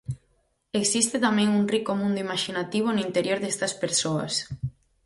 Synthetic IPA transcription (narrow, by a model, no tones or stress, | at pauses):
eksist̪et̪amɛ̃ŋuŋrikomũnd̪oimaʃinat̪iβ̞onʊint̪eɾjoɾðest̪ɐspeɾsoɐ̰s